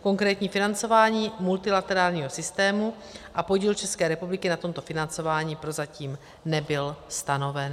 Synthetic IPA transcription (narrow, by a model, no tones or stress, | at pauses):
ko̞ŋkɾɛːt̪ɲiːfɪnant͡so̞vaːɲiːmult̪ɪlat̪ɛɾaːlɲiːɦo̞sɪst̪ɛːmu | ʔapo̞ɟiːlt͡ʃɛskɛːɾɛpublɪkɪnat̪o̞mt̪o̞fɪnant͡so̞vaːɲiːpɾo̞zaciːm | nɛbɪlst̪ano̞vɛn